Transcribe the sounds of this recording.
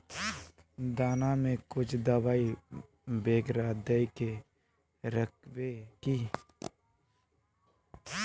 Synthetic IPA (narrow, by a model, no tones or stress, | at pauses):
d̪aːnamẽkʊt͡ʃʰd̪əwaːi | beːɡɾaːd̪əike | ɾək̚ʰweki